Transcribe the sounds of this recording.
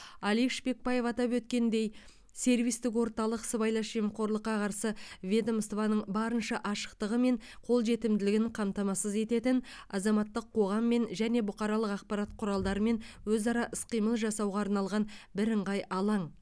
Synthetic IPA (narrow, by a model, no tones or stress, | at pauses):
ɑlˠifʃbe̞k̚pɑje̞fɑt̪ɑpwɵt̪kʲe̞nd̪e̞j | se̞ɾvijst̪ɪkwo̞ɾt̪ɑlˠəqsəbɑjlˠɑʃijmqo̞ɾlˠəqːɑqʰɑɾsəvʲed̪omst̪vɑnəɴbɑɾənʃɑʔɑʃə̥qt̪əʁəme̞ɴqʰo̞lˠʒe̞t̪ɪmd̪ɪlɪɡʲɪɴqʰɑmt̪ɑmɑsəze̞t̪e̞t̪ɪn | ɑzɑmɑt̪ːəqʰːo̞ʁɑmːe̞nʒæne̞bʊqɑɾɑlˠəqɑq̚pɑɾɑt̪qʰʊɾɑlˠd̪ɑɾəme̞nwɵzɑɾɑʔəsqijməlˠʒɑsɑwʁɑːɾnɑlˠʁɑnbɪɾəɴʁɑjɑlˠɑɴ